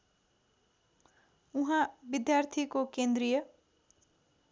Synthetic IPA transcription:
uɦãbid̪jart̪ʰikokend̪ɾijʌ

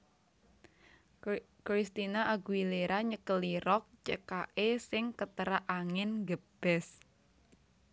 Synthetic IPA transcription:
kɾist̪inaʔaɡuileɾaɲəkəliɾɔk̚t͡ʃekaʔesɪŋkət̪əɾaʔaŋɪnɡəb̥ɛs

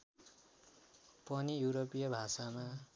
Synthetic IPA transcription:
pʌnijuɾopijʌbʱasama

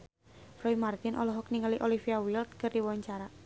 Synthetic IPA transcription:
fɾɔimart̪ɪnʔɔ̰lɔɦɔkniŋaliʔolifiawilt̪̚kɨrdiwaɲt͡ʃaɾa

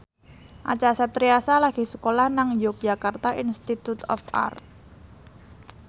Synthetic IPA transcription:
ʔa̰t͡ʃasap̚t̪ɾiasalaɡ̥isəkolahnaŋjok̚d͡ʒakart̪aʔinst̪it̪ut̪ɔ̰fa̰rt̪̚

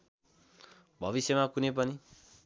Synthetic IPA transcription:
bʱʌʋisemakunep̬ʌni

